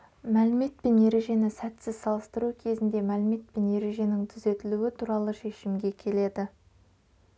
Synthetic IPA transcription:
mælɪme̞t̪̚pe̞nje̞ɾe̞ʒe̞nɪsæt̪sɪzsɑlˠəst̪əɾukʲʰe̞zɪnd̪e̞mælɪme̞t̪̚pe̞nje̞ɾe̞ʒe̞nɪŋt̪ʰʏze̞t̪ɪluɪt̪ʰuɾɑlˠəʃe̞ʃɪmɡʲe̞kʲʰe̞le̞d̪ɪ

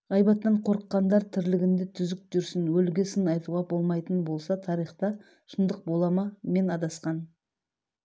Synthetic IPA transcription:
ɑjbɑt̪ːɑɴqʰo̞ɾəqːɑnd̪ɑɾt̪ʰɪɾlɪɡʲɪnd̪ɪt̪ʰʏzɪk̚ʒʏɾsɪnwɵlɡʲɪsɪnɑjt̪uʁɑbo̞lˠmɑjt̪ənbo̞lˠsɑt̪ʰɑɾijχt̪ɑ | ʃənd̪əq̚bo̞lˠɑmɑme̞nɑd̪ɑsqɑn

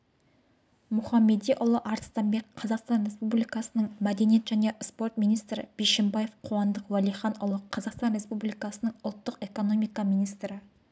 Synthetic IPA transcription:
mʊχɑmːe̞d̪ijʔʊlˠəʔɑɾt̪st̪ɑmbe̞kqʰːɑzɑqst̪ɑnɾe̞spublijkɑsənəɴmæd̪e̞nije̞t̪ʒæne̞spo̞rt̪minijst̪ɾɪ̰b̥eʃɪmbɑje̞fqʰoɑnd̪əqwælˠijχɑnʊlˠəqʰːɑzɑqst̪ɑnɾespublijkɑsənəɴʊlˠt̪ːəqe̞ko̞no̞mijkɑmijnijst̪ɾɪ

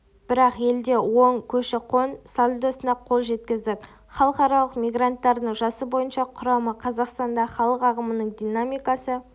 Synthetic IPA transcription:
b̥ɪɾɑqje̞ld̪e̞wo̞ɴkʲʰɵʃɪqʰo̞nsolʲˠud̪asənd̪ɑqʰo̞lˠʒe̞t̪̚kʲɪzd̪ɪkʲ | χɑlˠəqɑɾɑlˠəqmʲijɡrant̪ːɑɾd̪əɴʒɑsəbo̞jənʃɑqʰʊɾɑməqʰɑzɑqst̪ɑnd̪ɑχɑlˠəqɑʁəmənəɴd̪ʲijnamijkasə

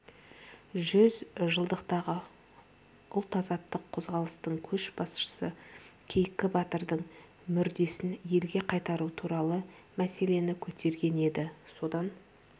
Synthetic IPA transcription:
ʒʏzʒəlˠd̪əqt̪ɑʁə | ʔʊlˠt̪ɑzɑt̪ːəqʰːo̞zʁɑlˠəst̪əɴkʲʰɵʃbɑsʃə̥səkʲʰe̞jkʲːɪbɑt̪əɾd̪əɴ | mʏɾd̪e̞sɪnje̞lɡʲe̞qʰɑjt̪ɑɾut̪ʰuɾɑlˠə | mæse̞le̞nɪkʲʰɵt̪e̞ɾɡʲe̞ne̞d̪ɪso̞d̪ɑn

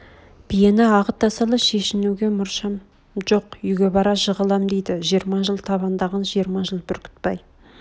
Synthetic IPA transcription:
b̥ʰijenɪɑʁət̪̚d̪ɑsɑlˠəʃe̞ʃɪnuɡʲe̞mʊɾʃɑm | ʒo̞qʏjɡʲe̞bɑɾɑʒəʁəlˠɑmd̪ejd̪ɪʒijɾmɑʒəlˠt̪ʰɑβɑnd̪ɑʁɑnʒijəɾmɑʒəlˠbɪɾkʲʰɪ̥t̪̚pɑj

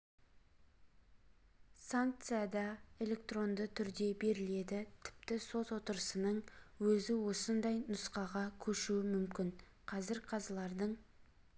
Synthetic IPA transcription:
saŋk̚t̪sɨjad̪ɑe̞lʲe̞kt̪ro̞nd̪ət̪ʰʏɾd̪e̞be̞ɾɪle̞d̪ɪt̪ʰɪ̥pt̪ɪso̞t̪wo̞t̪əɾəsənəɴwɵzɪwo̞sənd̪ɑjnʊsqɑʁɑkʲʰɵʃuɪmʏmkʲɪɴ | qʰɑzɪɾqʰɑzəlˠɑɾd̪əɴ

